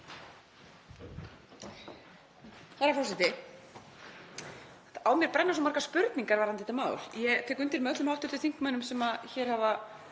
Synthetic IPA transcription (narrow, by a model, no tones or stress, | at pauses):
θaɾaɾfɔwsɛht̪ɪ | awmjɛɾpɾɛnːasɔmaɾkaspʏɾt̪niŋkaɾvaɾhant̪ɪt̪ʰɪmaːw̰ɾjɛt̪ʰɛːkʏnt̪iɾmɛœt̪lʏmhawht̪ʏt̪ʏ̥θiŋ̥kmanʏmsɛmaðçɛːɾ̥hava